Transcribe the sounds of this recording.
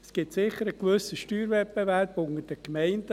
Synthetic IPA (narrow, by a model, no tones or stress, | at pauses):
sɡ̥ɪtsɪχːəɾəkʋɵsəʃtyːɾvɛpbevɛɾb̥ʊŋəd̥əkmɛɪndə